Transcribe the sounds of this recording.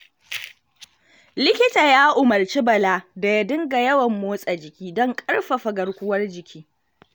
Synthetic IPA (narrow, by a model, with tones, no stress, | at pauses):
lɪ˦kʲɪ˦taː˨jaː˦ʔʊ˨mɐ˨rt͡ʃi˦bɐ˨laː˦da˨jɐ˦˨dɪ˦ŋɡa˨jɐ˦wɐ˨mːoː˦sʼa˨d͡ʒɪ˨kʲiː˦dɔ˦ŋkʼɐ˦ɽɸa˨ɸɐ˨ɡɐ˨ɽkʷʊ˦wɐ˦rd͡ʒɪ˨kʲiː˦